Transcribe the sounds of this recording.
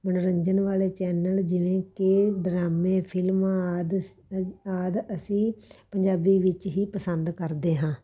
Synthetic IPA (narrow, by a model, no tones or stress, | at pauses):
mənɾəɲd͡ʒənʋaːleːt͡ʃɛːnəld͡ʒɪʋẽːkeɖɾaːmẽːpʰɪlmd̪ | aːd̪əsĩːpəɲd͡ʒaːbiːʋɪt͡ʃɦiːpəsənd̪kəɾd̪eːɦãː